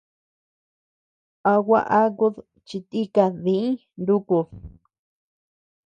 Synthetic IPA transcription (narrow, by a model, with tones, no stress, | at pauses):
a˧wʷa˦˧ʔa˦ku˧ð | t͡ʃi˧t̪i˦ka˧ðĩ˧ĩ˦ | nd̪u˦ku˧